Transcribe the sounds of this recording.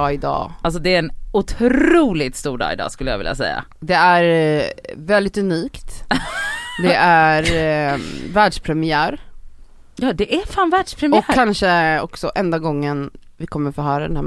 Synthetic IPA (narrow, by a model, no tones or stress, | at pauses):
ɪd̪ɑ̰ːals̬ɔd̪ɛæɾɛnʊt̪ʰɾuːlɪt̪st̪uːɖɑ̰ːɡɪd̪ɑ̰ːskɵlːəjɑ̰ɡɪlja̰sɛ̰jːa̰ | d̪ɛæɾ | vɛld̪ɪt̪ɵniːkt̪ | d̪ɛʔæɾ | væːɖʂpʰɾɛmɪæːɾ | jɑːd̪ɛʔæfaːnvæːɖʂpʰɾɛmɔkkʰːanʂəɔ̰ksɔʔɛnd̪aɡɔŋːən | vɪkʰɔmːəɾfɔːɦœːɾad̪ɛnhæː